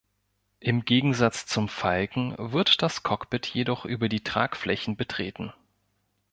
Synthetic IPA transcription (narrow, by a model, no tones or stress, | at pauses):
ʔɪmɡeːɡŋ̩zat͡st͡sʊmfalkŋ̩vɪɐtd̥askʰɔkb̥ɪtʰjedɔχʔyːbɐdiːtʁ̥a̰ːkflɛçn̩bətʁ̥ḛːtn̩